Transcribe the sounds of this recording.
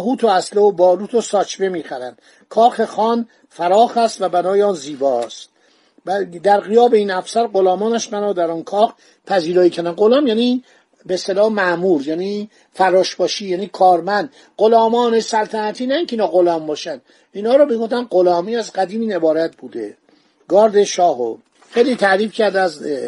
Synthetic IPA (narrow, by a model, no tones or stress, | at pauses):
ɦuːt̪ʰoæsleobɒːluːt̪ʰosɒːt͡ʃbemiːxæɾænd̪̥ | kʰɒːxexɒːn | fæɾɒːxæst̪væbænɒːjeɒːnziːbɒːst̪̚ | bd̪æɾɣijɒːbeiːnæfsæɾɢolɒːmɒːnæʃmænɔːd̪æɾɔːnkʰɒːx | pʰæziːɾɒːiːcʰæɾd̪ænɡolɒːmjæni | best̪elɒːmæmuːɾjæːni | fæɾɒːʃbɒːʃiːjæːniːkʰɒːɾmænd̪̥ | ɢolɒːmɒːnesælt̪ʰænæt̪ʰiːnæiŋkʰʲeiːnɒːɣolɒːmbɒːʃænd̪ | iːnhɒːɾomiɡoft̪ænɢolɒːmiæzɢæd̪iːmiːne̞bɒːɾæt̪̚ʰbuːd̪e | ɡɒːɾd̪eʃɒːho̰ | xejliːt̪ʰæɾiːfcʰæɾd̪æz